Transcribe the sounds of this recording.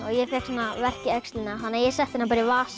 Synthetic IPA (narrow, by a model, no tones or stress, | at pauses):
ɔɣjɛfɛhksanːavɛr̥cɪœkst̪lɪnaɦanːajɛsɛht̪θɪnapaɾɪvaːs